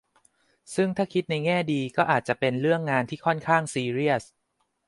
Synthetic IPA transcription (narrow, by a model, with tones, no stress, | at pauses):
sɯ˥˩ŋt̪ʰaː˥˩kʰi˦˥t̪̚na˧jŋɛː˥˩diː˧kɔː˥˩ʔaː˨˩t̪̚t͡ɕa˨˩ʔpe˧nɾɯ˥˩əŋːaː˧nt̪ʰiː˥˩kʰɔ˥˩nkʰaː˥˩ŋsiː˧ɾi˥˩əs̚